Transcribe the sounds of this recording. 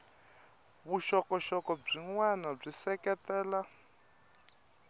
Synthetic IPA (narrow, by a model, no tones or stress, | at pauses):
βuʃɔkɔʃɔkɔb͡ʐiŋwanab͡ʐisɛkɛt̪ɛːla